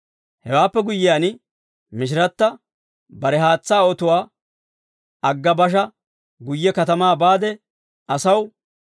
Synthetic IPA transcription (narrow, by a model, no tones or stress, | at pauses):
hɛwaːpːɛɡʊjːɪjaːn | mɪʃ̬ɪɾɐt̪ːɐ | bɐɾɛɦaːt͡sːaːɔt̪ʊwaː | ɐɡːɐbɐʃ̬ɐ | ɡʊjːɛkɐt̪ɐmaːbaːd̪ɛ | ʔɐsɐw